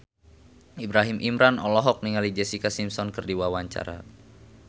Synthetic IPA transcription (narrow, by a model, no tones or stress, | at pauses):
ibɾaɦimʔimɾanɔlɔɦɔk̚niŋalid͡ʒɛsikasimsɔnkɨrdiwawaɲt͡ʃa̰ɾa̰